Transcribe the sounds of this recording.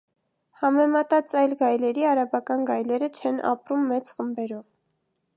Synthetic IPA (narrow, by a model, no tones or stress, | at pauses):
hɑmɛmɑt̪ɑt͡sɑjlɡɑjlɛɾiɑɾɑbɑkɑnɡɑjlɛɾət͡ʃʰɛnʔɑ̰pɾumːɛt͡sχəmbɛɾɔv